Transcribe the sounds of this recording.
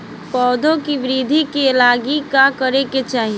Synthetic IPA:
pɔːd̪ʱõkiʋɪɾiːd̪ʱikelaːɡikakəɾeket͡ʃaːɦi

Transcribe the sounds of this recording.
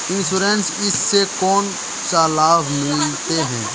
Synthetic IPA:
ɪnsuːɾensɪsːekɔːn | saːlaːbmuːlt̪eɦɛ̰̃ː

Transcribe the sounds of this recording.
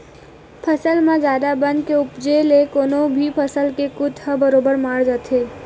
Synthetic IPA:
pʰəsəlmãd͡ʒjaːd̪abə̃nd̪̚keʊpd͡ʒelekoːnobʱipʰəsəlkekʊt̪ʰhəbəɾoːbəɾmaːɽd͡ʒat̪ʰɦeː

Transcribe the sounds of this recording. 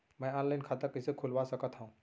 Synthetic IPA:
mə̃ɔnlainkʰat̪əɾkəsekʰulʋasəkət̪ɦaũ

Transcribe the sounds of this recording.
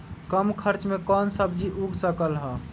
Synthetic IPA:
kəmkʰəɾt͡ʃmekɔnsəbd͡ʒiʔuɡʱsəkəlɦə

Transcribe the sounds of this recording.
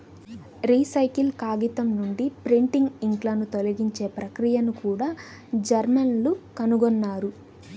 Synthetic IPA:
ɾiːsɐjkilkaːɡit̪ɐmnuɳɖipɾiɳʈiŋɡiŋklɐnut̪olɐɡiɲt͡ʃe̞ːpɾɐkɾijɐnukuːɽaː | d͡ʒɐɾmɐnlukɐnuɡɔnːaːɾu

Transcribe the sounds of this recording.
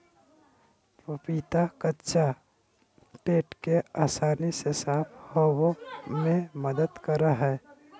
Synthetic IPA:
pəpiːt̪akətːʃa | peːʈkeaːsaːnisesaːphoːwomẽməd̪əd̪kəɾaɦɛː

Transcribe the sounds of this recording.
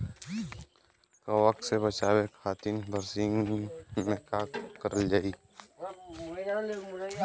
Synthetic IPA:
kəwək̪̚sebət͡ʃaːwekʰaːt̪inbʱəɾsɪ̃ŋɡmẽkakkəɾəld͡ʒaːi

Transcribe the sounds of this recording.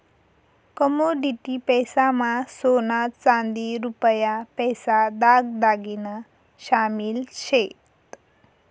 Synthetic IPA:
kɔmoɖiʈipɛjsamasonat͡sãnd̪iɾupjapɛjsad̪aɡd̪aɡina | ɕamilɕet̪

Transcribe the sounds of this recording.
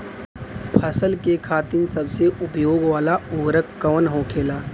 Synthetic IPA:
pʰəsəlkekʰaːt̪ɪnsɐbseʔʊpjoːɡʋaːlaʊːɾəkːɐʋnɦoːkʰeːlaː

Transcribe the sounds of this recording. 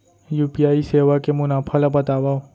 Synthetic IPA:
juːpiaːiseːʋakemʊnaːpʰalabət̪aːʋaːo

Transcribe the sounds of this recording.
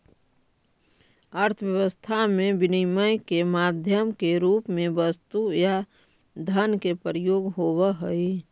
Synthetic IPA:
əɾt̪ʰəʋjəʋəst̪ʰamẽbɪnəməjkemaːd̪ʱjəmkeɾuːpmẽʋəst̪uja | d̪ʱənkepəɾəjoːɡɦowəɦəi

